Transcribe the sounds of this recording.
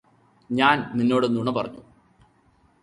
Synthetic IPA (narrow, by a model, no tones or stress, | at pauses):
ɲaːnminːo̞ːɽenːuɳɐpɐrɐ̰ɲːu